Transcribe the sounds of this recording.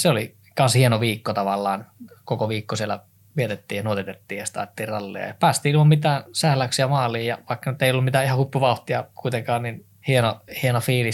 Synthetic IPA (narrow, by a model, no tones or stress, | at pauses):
seoli | kɑnshienoʋiːkːot̪ɑʋɑlːɑːnkokoʋiːkːosielːˑæ̰ | ʋiet̪et̪ːiːjɑnuot̪et̪et̪ːiːjɑst̪ɑ̰ːt̪et̪ːiːrrɑlːḛɑ̰jɑpæːst̪iːiommit̪æːnsæhlæksiæmɑːlˑiːjjɑʋɑikːɑnyt̪ːeijolːumit̪æːihɑhupːuʋɑuht̪iɑkuit̪eŋkɑːnnin | hienohienofiːli